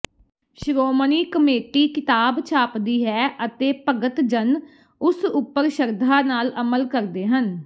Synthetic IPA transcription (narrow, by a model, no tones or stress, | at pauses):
ʃɾoːməniːkəmeːʈiːkɪt̪aːbt͡ʃʰaːpd̪iːɦɛːʔət̪eːpəɡət̪d͡ʒən | ʊsʊpːəɾʃəɾd̪ʱaːnaːləməlkəɾd̪eːɦən